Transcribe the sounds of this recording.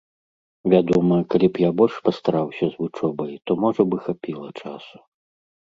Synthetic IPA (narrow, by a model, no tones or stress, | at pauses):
vʲad̪ɔmɐkalʲipjabɔlʲʂpɐst̪aɾawsʲɐzvut͡ʂɔbɐjt̪ɔmɔʐɐbɨxapʲilˠɐt͡ʂasu̥